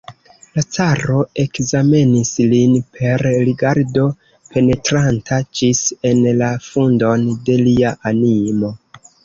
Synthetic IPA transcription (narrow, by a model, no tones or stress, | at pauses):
lat͡saɾo̞e̞kzame̞nislinpʰe̞ɾliɡaɾdo̞ | pʰe̞ne̞tɾantʰad͡ʒise̞nlafundo̞nde̞liaʔanimo̞